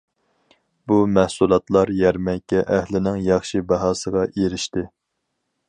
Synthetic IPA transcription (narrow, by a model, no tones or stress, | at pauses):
b̥umɛhsulˠɑt̪lˠɑɾjɛɾmɛŋkʲʰːɛʔæhlɪnɪŋjɑχʃibɑɦɑːsəʁɑʔeɾɪʃt̪ɪ